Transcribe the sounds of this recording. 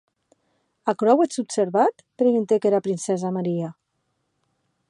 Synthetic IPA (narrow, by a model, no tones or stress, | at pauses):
akɾɔwet͡supseɾβat̪pɾeɣunt̪ekeɾapɾinsɛzamaɾia